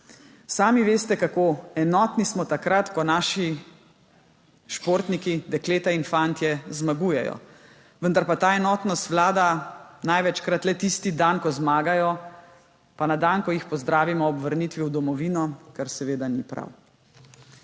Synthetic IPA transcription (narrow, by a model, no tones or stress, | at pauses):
saːmiʋeːst̪ɛkakoɛnɔːt̪nismɔt̪akɾat̪kɔnaːʃi | ʃpoːɾt̪nikid̪ɛkleːt̪ainfant̪jɛzmaɡuːjɛjɔ̰ | ʋənd̪aɾpat̪aːɛnɔːt̪nɔst̪ʋlaːd̪anajʋɛt͡ʃkɾat̪lɛt̪ist̪id̪ankɔzmaːɡajɔ | panad̪ankɔjixpɔzd̪ɾaːʋimɔːbʋəɾniːt̪ʋiwd̪ɔmɔʋiːnɔkaɾsɛʋeːd̪anipɾa̰w